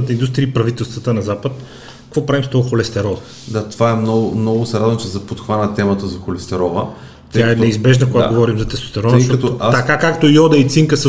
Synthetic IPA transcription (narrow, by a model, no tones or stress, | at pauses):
ət̪əind̪ust̪ɾijəipɾɐvit̪ɛlˠst̪vət̪ənɐzapət̪ | kɐkvɔpɾavimst̪ɔɡoxolɛst̪ɛɾɔvə | d̪at̪ovaɛmnɔɡʊmnɔɡʊsɛɾad̪vəmt͡ʃɛzɐpot̪xvanət̪ɛmət̪əzɐxolɛst̪ɛɾɔvə | t̪ʲjaɛnɛizbɛʒnɐkoɡaɡovɔɾimzɐt̪ɛst̪o̥st̪ɛɾɔvt̪t̪ɐkakakt̪ojɔd̪ɐit̪siŋkəsə